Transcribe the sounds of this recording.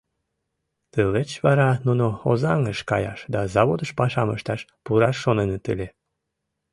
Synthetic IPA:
t̪əlet͡ɕβɑɾɑnunoozɑŋəʃkɑjɑ̰ʃd̪ɑzɑβod̪əʃpɑʃɑməʃt̪ɑʃpuɾɑʃːonenət̪əle

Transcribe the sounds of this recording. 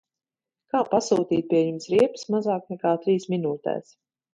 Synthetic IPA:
kaːpasuːt̪iːt̪̚pʲiɛjumsɾiɛpɨ̥smazaːknɛkaːt̪ɾiːsminuːt̪ɛ̰ːs

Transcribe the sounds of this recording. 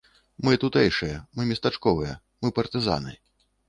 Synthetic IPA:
mɨt̪ut̪ɛjʂɨjɐmɨmʲist̪at͡ʂkɔvɨjɐ | mɨpɐrt̪ɨza̰nɨ̰

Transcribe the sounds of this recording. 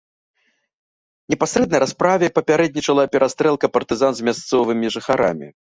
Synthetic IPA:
nʲɛpasɾɛd̪nɐjɾaspɾavʲɛpɐpʲaɾɛd̪nʲit͡ʂɐlˠɐpʲɛɾʔast̪ɾɛlˠkɐpɐrt̪ɨzanzʲmʲast̪sɔvɨmʲiʐɨxaɾa̰mʲḭ

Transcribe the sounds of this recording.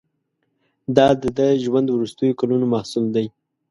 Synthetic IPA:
d̪ɑd̪əd̪əʒwand̪wɾust̪əjokalunomɑhsumd̪aj

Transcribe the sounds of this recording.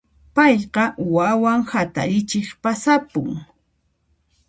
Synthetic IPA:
pɑjqɑwawaŋhat̪a̰ɾɪt͡ʃɪχpasapʊ̰ŋ

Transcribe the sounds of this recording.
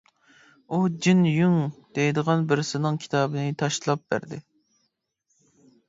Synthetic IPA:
ud͡ʒinjyŋd̪̥ejɪd̪əʁɑnbɪɾɪsɪnɨŋkʲʰi̥t̪ʰɑːbɨnɪt̪ʰɑʃlˠɑp̚bæ̰ɾd̪ɪ

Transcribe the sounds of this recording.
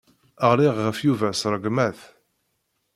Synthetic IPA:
əʁliʁːəfjuvæsɾˤəɡmæθ

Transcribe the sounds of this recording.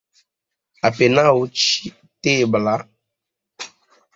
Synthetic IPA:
apenawut͡ʃi | tebla

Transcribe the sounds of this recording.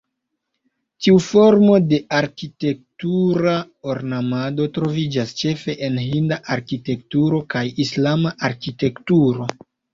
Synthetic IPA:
tiufo̞ɾmo̞de̞aɾkite̞k̚tuɾa | oɾnamado̞tɾo̞vid͡ʒast͡ʃe̞fe̞ʔenɦindaʔaɾkite̞ktuɾo̞kajislamaʔaɾkite̞ktuɾo̞

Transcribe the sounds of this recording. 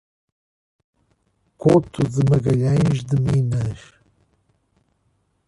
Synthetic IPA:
kot̪ʰuzɨmɐɡɐjajʒd̪ɨmiːnɐʃ

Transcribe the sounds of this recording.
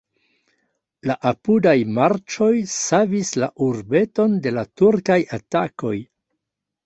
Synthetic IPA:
laʔapudajmaɾt͡ʃo̞jsavislaʔuɾbe̞to̞nde̞latuɾkajatako̞j

